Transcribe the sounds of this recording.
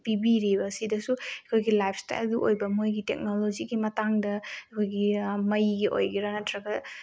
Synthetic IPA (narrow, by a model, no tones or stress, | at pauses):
pibiɾibɐsidɐsuekʰojɡilajpʰsta̰jlɡiʔo̰jbɐmojɡitḛk̚nolod͡ʒiɡimɐtaŋdɐkʰojɡimɐjɡiʔo̰jɡiɾanɐtʰɾɐɡɐ